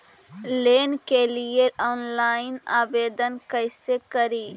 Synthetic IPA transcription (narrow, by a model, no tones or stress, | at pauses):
leːnkelijeʔɔːnlaːɪnaːbeːd̪ənkəɪsekəɾiː